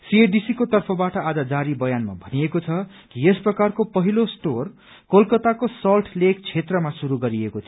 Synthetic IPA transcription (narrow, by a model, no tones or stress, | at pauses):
sieɖisikot̪ʌrpʰʌbaʈʌad͡zad͡zaɾibʌjanma̰bʱʌniekot͡sʰʌ | kiesprʌkarkopʌɦilosʈor | kolkʌt̪akosʌlʈʰlek̚t͡sʰet̪rʌmasuɾuɡʌɾiekot͡sʰ